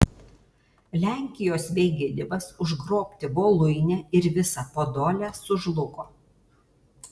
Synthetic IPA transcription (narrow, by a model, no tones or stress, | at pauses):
lʲæˑŋʲkʲɪjoːsʋʲɛɪɡʲɪd̪ʲɪʋɐsʊʒɡɾoːpʲt̪ʲɪboːlˠʊɪnʲɛɪɾʋʲɪsɑpoːd̪oːlʲæsʊʒlˠʊkoː